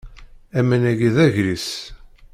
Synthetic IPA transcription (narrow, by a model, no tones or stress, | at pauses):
æmænæɡiðæʝɾis